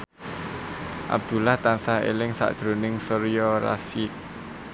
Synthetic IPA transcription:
ʔa̰b̚d̪̥ṳlaht̪ansaɦḛlɪŋsa̰ʔd̪̥ɾo̤nɪŋsəɾjɔɾa̰sɪk̚

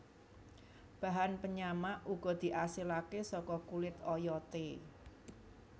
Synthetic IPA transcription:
b̥ä̤ɦanpəɲamaʔuɡ̥ɔ̤d̪̥i̤ʔasilakesɔkɔkulɪt̪ɔjɔt̪e

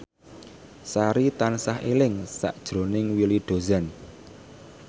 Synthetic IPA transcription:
saɾit̪ansahḛlɪŋsa̰ʔd̥ʒ̥ɾo̤nɪŋwiliɖ̪̥o̤zɛn

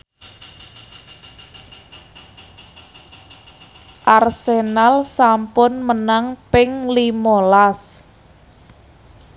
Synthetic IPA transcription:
ʔarsenalsampʊnmənaŋpɪŋlimolas

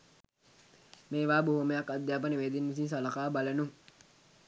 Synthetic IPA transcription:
meːʋaːboɦuməjakːad̪jaːp̬ənəʋeːd̪inʋis̬ins̬aləkaːbalənuŋ

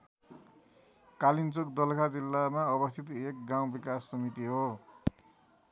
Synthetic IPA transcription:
kalint͡sokd̪ʌlkʰad͡zilːamaʌbʌst̪ʰit̪ek̚ɡaw̃bikasːʌmit̪iɦo

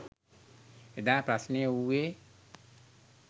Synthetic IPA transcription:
ed̪apɾasniəuwe

